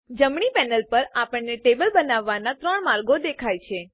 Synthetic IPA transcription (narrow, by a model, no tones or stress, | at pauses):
d͡ʒəmɳipɛnəlpəɾapəɳneʈebəlbənaʋːanat̪ɾəɳmaɾɡod̪ekʰajt͡ʃʰe